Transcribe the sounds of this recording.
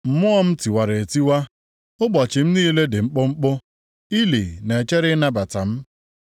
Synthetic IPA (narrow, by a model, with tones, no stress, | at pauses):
m̩˨mʊ˦ɔ˦m̩˦ti˨wa˨ɾe˨e˨ti˦wa˦ | ʊ˦bɔ˨t͡ʃɪ˨m̩˦niː˦le˦dɪ˨ŋ͡m̩˦k͡pʊ˦ŋ͡m̩˦k͡pʊ˦ | i˦li˨ne˨t͡ʃe˦ɾɪ˦na˦ba˨ta˨m̩˦